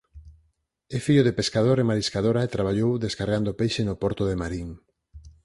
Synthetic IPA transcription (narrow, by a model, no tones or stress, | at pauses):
efiʎoðepeskaðoɾemaɾiskaðoɾaet̪ɾaβ̞aʎowðeskaɾɣand̪opejʃenopɔɾt̪oðemaɾiŋ